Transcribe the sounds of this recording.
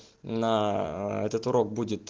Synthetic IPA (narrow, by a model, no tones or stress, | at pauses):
naɛt̪ət̪ʊɾo̞k̚budʲɪt̪